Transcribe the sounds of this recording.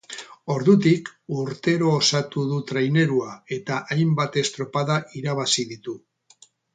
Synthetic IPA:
o̞ɾðut̪̬ikuɾt̪e̞ɾo̞ːsat̪uðut̪ɾajne̞ɾuae̞t̪aʔajmbat̪e̞st̪ɾo̞paðaʔiɾaβasiðit̪u

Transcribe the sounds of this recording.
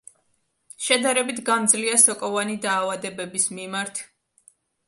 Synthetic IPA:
ʃɛd̪aɾɛbit̪ʰɡamd̪zliasɔkʼɔvanid̪aːvad̪ɛbɛbismimaɾt̪ʰ

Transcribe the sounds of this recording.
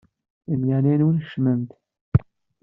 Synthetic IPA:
əmjanænwənʃmənt̪

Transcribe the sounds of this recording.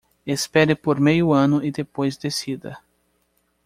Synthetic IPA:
espɛɾɪpoɾmejʊɐ̃nʊid̪epojzd̪esid̪ɐ̰

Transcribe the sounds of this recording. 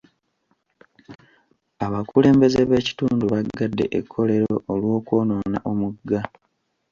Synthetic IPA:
aβakule̞ːmbe̞ze̞βe̞ːci̥tuːnduβaɡːadːe̞̰ʔekʰːo̞le̞ɾoolwo̞ːkwo̞ːno̞ːna̰ʔo̞muɡːa

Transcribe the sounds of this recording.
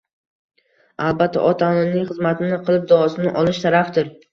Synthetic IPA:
alˠbat̪ʰːa̰ʔɒt̪ʰannnːɪŋχɨzmat̪ʰɪnɪqʰɨlˠɪp̚d̪aɒsɪnɪʔɒlˠɪʃt̪ʰaɾafd̪ɪɾ

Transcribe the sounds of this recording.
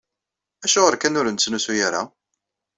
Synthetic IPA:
æʃʊʁəɾkænʊɾnt͡sːnusujaɾa̰

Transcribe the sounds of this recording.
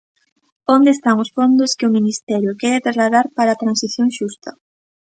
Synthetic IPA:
ond̪eːst̪aŋʊsfond̪ʊskɪʊminist̪ɛɾjʊkɛɾɪt̪ɾazlaðaɾpaɾaːt̪ɾansiθjoŋʃust̪ɐ

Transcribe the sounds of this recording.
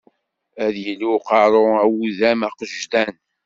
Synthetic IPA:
æðjəluqɑɾˤoæwuðæmæqəʒt̪æn

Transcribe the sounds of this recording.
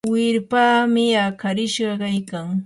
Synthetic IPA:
wɪɾpaːmɪakʰaɾɪʃɢɑkajkaŋ

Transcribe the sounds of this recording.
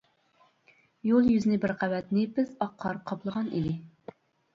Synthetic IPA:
jolˠjyzɪnɪbɪɾqʰæwɛt̪nɪpɪzɑqʰːɑɾqʰɑplˠəʁɑnḭd̪ɪ

